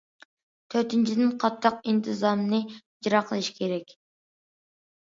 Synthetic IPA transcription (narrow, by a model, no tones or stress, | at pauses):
t̪ʰøɾt̪ʰɪnt͡ʃʰid̪ɪnqʰɑt̪ʰːɑqint̪ʰɨzɑmnɨ | d͡ʒɾɑqʰəlˠɨʃi̥kʲʰeɾɛkʲ